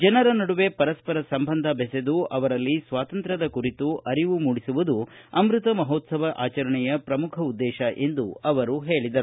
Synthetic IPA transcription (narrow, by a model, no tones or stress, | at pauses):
d͡ʒɐnɐɾɐnɐɽuʋe̞pɐɾɐspɐɾɐsɐmbɐnd̪ʱɐbɛsed̪uʔɐʋɐɾɐlːisʋaːt̪ɐnt̪ɾɐd̪ɐkuɾit̪uʔɐɾiʋumuːɽisuʋud̪u | ɐmɾut̪ɐmɐɦoːt̪sɐbʱɐʔaːt͡ʃɐɾɐɳɛjɐpɾɐmukʰɐud̪ːɛːʃɐʔe̞nd̪uɐʋɐɾuɦeːɭid̪ɐɾu